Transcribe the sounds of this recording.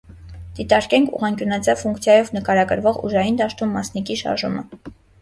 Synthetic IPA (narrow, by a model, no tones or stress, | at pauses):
d̪̥it̪ɑɾkɛŋkʰṵʁɑŋkjunɑt͡sʰjɑvfuŋkt͡sʰjɑjɔvnəkɑɾɑɡəɾvɔʁṵʒɑjind̪ɑʃt̪umːɑsnikiʃɑ̰ɾʒumə̰